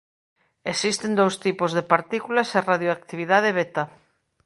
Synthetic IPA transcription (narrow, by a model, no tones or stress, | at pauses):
esist̪end̪owst̪ipozðepaɾt̪ikulaseraðjoak̚t̪iβiðað̞eβet̪a